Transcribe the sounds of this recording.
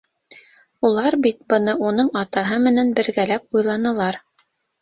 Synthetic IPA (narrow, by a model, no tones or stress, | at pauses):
ulˠɑɾbit̪̚bɤ̆nɤʔunɤɴɑt̪ɑɦɤmɘ̆nænbɘ̆ɾɡælæp̚ujlˠɑnɤ̆lˠɑɾ